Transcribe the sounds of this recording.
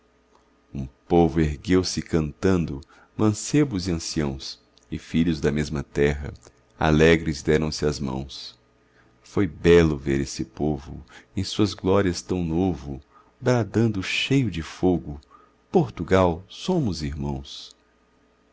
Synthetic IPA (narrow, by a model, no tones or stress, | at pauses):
ũpovʊeɾɡewsɪkɐ̃nt̪ɐ̃nd̪ʊ | mɐ̃sebʊziɐ̃siɐ̃w̃s | ɪfiʎʊzd̪ɐmezmɐt̪ɛɦɐ̰ | a̰lɛɡɾɪzd̪ɛɾɐ̃w̃sɪɐzmɐ̰̃w̃s | fojbɛlʊveɾesɪpovʊ̰ẽj̃suɐzɡlɔɾiɐst̪ɐ̃w̃novʊ | bɾad̪ɐ̃nd̪ʊʃejʊd͡ʒɪfoɡʊ | poɾt̪uɡawsõmʊziɾmɐ̰̃w̃s